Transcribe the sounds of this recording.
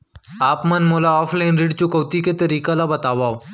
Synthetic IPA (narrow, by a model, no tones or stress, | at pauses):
aːpmɐnmoːlaɔːfʰlaɪnɾɪɖt͡ʃʊkoːt̪iket̪ɐɾiːkalabɐt̪aːʋaː